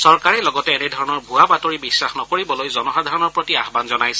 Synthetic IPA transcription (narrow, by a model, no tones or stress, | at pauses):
sɔɹkaɹɛlɔɡɔtɛːnɛdʱɔɹɔnɔɹbʱuabatoɹibisːaxnɔkoɹibɔlojzɔnɔxadʱaɹɔnɔɹpɹotiaɦbanzɔnajsɛ̥